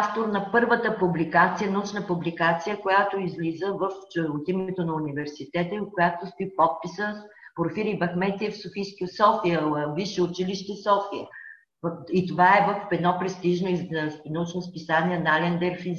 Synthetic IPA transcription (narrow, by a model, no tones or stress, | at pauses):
aft̪oɾnɐpɤɾvət̪əpublikat̪sijənɐut͡ʃnəpublikat̪sijəkojat̪oizlizəvəft͡ʃoot̪imɛt̪onɐunivɛɾsit̪ɛt̪əikojat̪ost̪oipɔt̪̚pisəspoɾfiɾibɐxmɛt̪iɛfsofijskisɔfiəviʃɛʊt͡ʃiliʃt̪ɛsɔfiə | it̪ovaɛvəfɛd̪nɔpɾɛst̪iʒnoizsnɐut͡ʃnospisaniɛnalɛnd̪ɛɾfiz